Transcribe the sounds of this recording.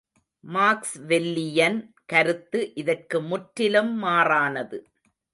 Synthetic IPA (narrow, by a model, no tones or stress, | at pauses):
maːksʋɛlːɪjɐn | kɐɾɯt̪ːɯʔɪðɐrkɯmʊʈɾɪlɐmːaːraːnɐðɯ